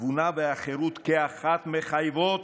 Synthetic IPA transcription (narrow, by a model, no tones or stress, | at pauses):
vunabeaχeɾut̪keaχat̪meχajvot̪